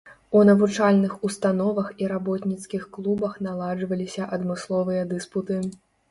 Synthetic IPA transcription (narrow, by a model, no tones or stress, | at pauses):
unɐvut͡ʂalʲnɨxust̪anɔvɐxiɾabɔt̪nʲit̪skʲixklˠubɐxnalˠad͡ʐvɐlʲisʲɐʔɐd̪mɨslˠɔvɨjɐd̪ɨsput̪ɨ